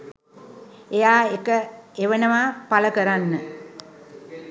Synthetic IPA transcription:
ejaːekəeʋənəʋaːpaləkəɾanːə

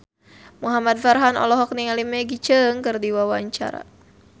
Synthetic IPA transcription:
muɦamad̪̚farɦanɔ̰lɔɦɔk̚niŋalimɛɡit͡ʃəŋkɨrdiwawaɲt͡ʃa̰ɾa̰

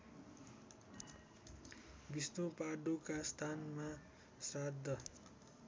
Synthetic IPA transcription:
bist̪opaɖukast̪ʰanma | sad̪ʱːʌ

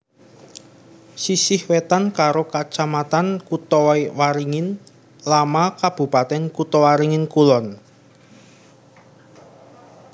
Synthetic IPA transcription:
sisɪhwet̪ankaɾokat͡ʃamat̪ankut̪ɔwaiwaɾiŋɪn | lamakab̥ṳpat̪ɛnkut̪ɔwaɾiŋɪnkulɔn

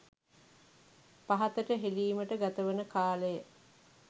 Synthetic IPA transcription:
paɦɐt̪əʈəɦeliːməʈəɡat̪əʋənəkaːləjə

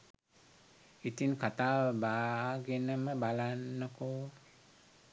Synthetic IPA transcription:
it̪iŋkʰat̪aːʋəbaːɡenəməbalanːəko

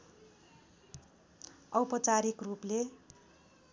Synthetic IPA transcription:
ʌwpʌt͡saɾikruple

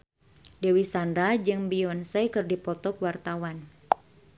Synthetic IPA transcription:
dewisanɾad͡ʒɨŋbiɔnsɛkɨrdipɔt̪ɔkwart̪awan

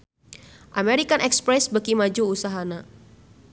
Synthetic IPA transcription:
ʔameɾikanʔɛkspɾɛsbəkimad͡ʒuusaɦana

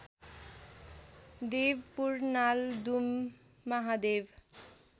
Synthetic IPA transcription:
d̪eʋpuɾnald̪umː | aɦad̪eʋ

